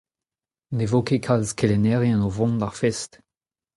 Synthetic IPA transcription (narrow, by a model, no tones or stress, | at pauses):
nevokekʰalzkelenɛʁjɛ̃novɔ̃ndaʁfɛst